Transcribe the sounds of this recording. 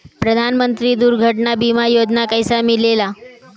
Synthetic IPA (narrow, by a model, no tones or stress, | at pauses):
pɾəd̪ʱanmənt̪ɾiːd̪uɾɡʱəʈɳabimajod͡ʑnakajsamilela